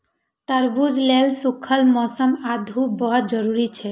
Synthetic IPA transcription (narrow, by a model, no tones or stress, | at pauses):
t̪əɾbud͡ʒʱlelsukʰəlmɔsəmad̪ʱubɔɦɔt̪̚d͡ʒɔɾuɾit͡ʃʰɛ